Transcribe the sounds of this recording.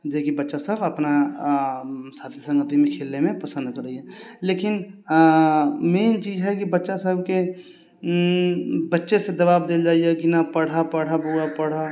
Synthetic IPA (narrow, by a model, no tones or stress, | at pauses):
d͡ʒeːkibɐtːʃasəbɐpna | saːt̪ʰisə̃ŋɡət̪imẽkʰeːlnemẽpɐsə̃nd̪kɐɾəiɦɛleːkɪn | mɛːnt͡ʃiːzɦɛkibɐtːʃasəb̚ke | bɐtːʃesed̪ɐbaːbd̪eld͡ʒaːiekɪnapɐɽ̤apɐɽ̤abuapɐɽ̤a